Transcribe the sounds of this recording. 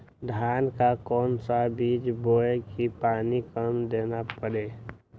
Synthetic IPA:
d̪ʱaːnkakɔːnsabiːd͡ʒboːekipaːnikəmd̪eːnapəɾeː

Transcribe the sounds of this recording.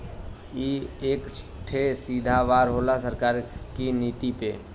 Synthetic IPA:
ieksʈʰesid̪ʱaʋaɾɦolasəɾkaɾkinit̪ipe

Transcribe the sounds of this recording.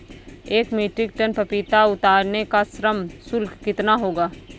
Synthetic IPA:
eːkmiːʈɾɪk̚ʈənpɐpit̪aʊt̪aːɾnekasɾəmsʊlkkɪt̪naɦoːɡaː

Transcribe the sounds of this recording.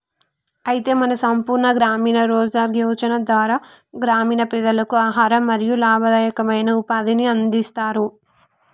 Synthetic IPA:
ɐjit̪e̞ːmɐnɐsɐmpuːɾɳɐɡɾaːmiːnɐɾɔːd͡ʒaːɡjɐʋɐt͡ʃɐnɐd̪ʋaːɾaːɡɾaːmiːnɐpid̪ɐlɐkuaːɦaːɾɐmːɐɾijulaːbʱɐd̪ɐjɐkɐmɐjnɐupaːd̪iniɐnd̪ist̪aːɾu

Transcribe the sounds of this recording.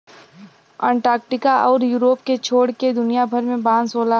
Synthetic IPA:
ãːɳʈaːkʈɪkaʔɔːɾjuːɾoːpket͡ʃʰoːɽked̪ʊnijabʱɐɾmẽbãːnsoːla

